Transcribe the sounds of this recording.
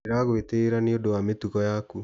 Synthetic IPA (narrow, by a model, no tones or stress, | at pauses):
eɾaɣweteːɾaneodowametuɣɔjaku